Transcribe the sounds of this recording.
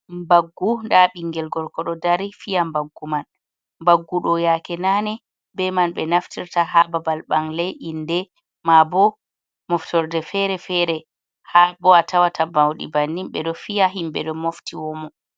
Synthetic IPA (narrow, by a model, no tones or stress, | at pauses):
mbaɡːundaɓiŋɡɛlɡɔɾkɔɗɔdaɾifijambaɡːuman | mbaɡːuɗɔjakɛnanɛ | bɛmanɓɛnaftiɾtaɦababalɓaŋlɛjʔindɛ | mabɔ | mɔftɔɾdɛfɛɾɛfɛɾɛ | habɔatʰawatʰabawɗḭbanːimɓɛ̰ɗɔfijaɦimɓɛ̰ɗɔmoftiwɔmɔ